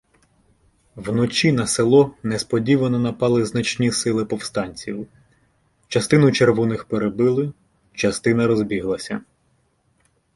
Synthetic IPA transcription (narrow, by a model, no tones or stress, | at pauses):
wnɔt͡ʃʲinɐselˠɔnɛspɔdʲiʋɐnɔnɐpɑlˠɪznɐt͡ʃnʲisɪlˠɪpɔwst̪ɑnʲt͡sʲiw | t͡ʃɐst̪ɪnʊt͡ʃerʋɔnɪxpeɾebɪlˠɪ | t͡ʃɐst̪ɪnɐɾɔzbʲiɦlˠɐsʲɐ